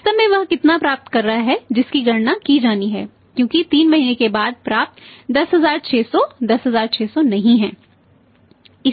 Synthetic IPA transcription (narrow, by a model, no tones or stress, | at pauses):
t̪əmẽʋɐɦkɪt̪napɾaːp̚t̪kɐɾːɐɦaɦɛd͡ʒɪskiɡɐɽnakid͡ʒaːniɦɛ̰ː | kjõːkit̪iːnmɐɦinekebaːd̪̚pɾaːp̚t̪d̪ɐsɦɐzaːɾt͡ʃʰeːsɔd̪ɐsɦɐzaːɾt͡ʃʰeːsɔnɐɦĩɦɛ̃ː | ɪ